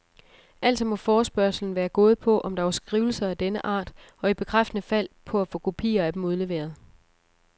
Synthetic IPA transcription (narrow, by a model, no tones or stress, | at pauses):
ʔæl̰d̥sɒmɒ̽fɒːsb̥ɶɐ̰sl̩n̩ʋæːɐɡ̥ɔ̝ːð̞̩ˠpʰɒ̽ʔɒ̽md̥ɑ̈ʋɐsɡ̥ʁiʊl̩sɐæd̥enəʔɑ̰̈ːd̥ | ɒ̽ib̥e̝kʰʁafd̥ənəfæl̰pʰɒ̽æfɔ̰̽ːkʰo̝pʰḭːɐæd̥emuð̞ˠle̝ʋe̝̰ːɐð̞̩ˠ